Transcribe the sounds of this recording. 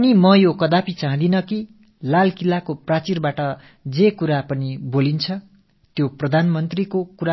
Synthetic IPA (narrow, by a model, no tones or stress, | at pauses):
ʌnimʌjokʌd̪apʰit͡sãɦd̪inʌki | lalkilakoprat͡sirbaʈʌ | d͡zekuɾapʌnibolint͡sʰʌ | t̪joprʌd̪ʱanmʌnt̪rikokuɾa